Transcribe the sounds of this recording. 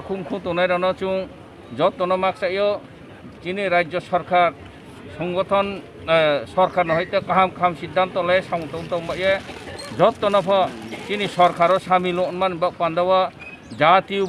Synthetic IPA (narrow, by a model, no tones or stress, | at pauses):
kʰuŋkʰũt̪ɔnajɾɔnɔt͡ʃu | d͡ʒɔt̪ːɔnɔmak̚saijɔ | t͡ʃiniɾad͡ʒjɔsɔɾkʰaɾ | sɔŋɡɔt̪ʰɔn | sɔɾkʰaɾnɔɦɔjt̪ɔkaɦamkaamsid̪ʱːant̪ɔlɛsawũt̪ɔnt̪ɔ̃mbaʔjad͡ʒɔt̪ːɔnɔpʰɔt͡ʃinisɔɾkaɾɔsamilɔʔnmanibaʔpand̪awa | d͡ʒat̪i